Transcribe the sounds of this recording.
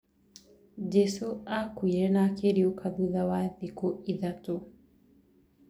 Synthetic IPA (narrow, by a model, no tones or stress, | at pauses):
d͡ʒesoakuiɾenakeɾiukʰaðuðawaðikoiðato